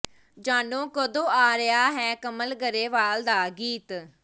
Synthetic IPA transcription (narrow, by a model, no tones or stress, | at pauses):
d͡ʒaːnõːkəd̪õːaːɾəjaːɦɛːkəməlɡəɾeːʋaːld̪aːɡiːt̪